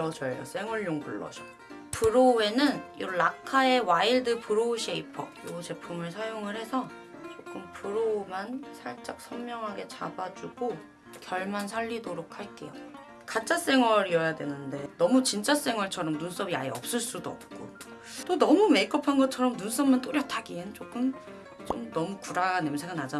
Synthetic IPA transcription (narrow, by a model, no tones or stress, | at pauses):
ʌd͡ʑʌɭjʌ̰s͈e̞ŋwʌɭɲoŋpuɭːʌ̰d͡ʑʌ | pɯɾoe̞nɯnjoɾlakʰae̞waiɭdɯpɯɾoɕʰeipʰʌ̰jot͡ɕe̞pʰumɯɭsʰajoŋɯɭhe̞sʰʌ | t͡ɕ͈ok͈ɯmpʰɯɾomansʰaɭt͡ɕ͈ak̚sʰʌmmjʌŋɦaɡe̞t͡ɕabad͡ʑuɡ̥o | kjʌɭmansʰaʎːidoɾokʰaɭk͈e̞̰jo̰ | kat͡ɕ͈as͈e̞ŋwʌɾiʌjadwe̞̰nɯnde̞nʌmut͡ɕint͡ɕ͈as͈e̞ŋwʌɭt͡ɕʰʌɾʌmnuns͈ʌbia̰iʌp̚s͈ɯɭs͈udoʌ̰p̚k͈o̰ | t͈onʌmume̞k͈ʌpʰanɡʌt͡ɕʰʌɾʌmnuns͈ʌmmant͈oɾjʌtʰaɡient͡ɕ͈ok͈ɯm | t͡ɕ͈o̰mnʌmukuɾaɡne̞msʰeɡanad͡ʑa